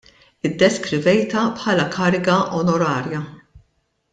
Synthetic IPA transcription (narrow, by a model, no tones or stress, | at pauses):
ɪd̪ːɛskɾɪvɛjt̪ɐpħɐːlɐkɐːɾɪɡɐʔɔnɔɾɐːɾjɐ